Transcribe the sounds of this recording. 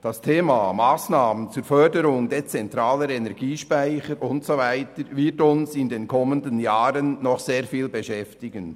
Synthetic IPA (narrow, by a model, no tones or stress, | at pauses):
d̥astʰeːmamaːsnaːmənt͡suːɾfœdəɾʊŋdet͡sɛntɾaːləɾɛnɛɾɡiːʃpaɪçəɾʔʊntsovaɪtəɾvɪtʊnsɪndeːnkʰɔməndənjaːɾənːɔχseːɾfiːlbeʃɛftɪɡən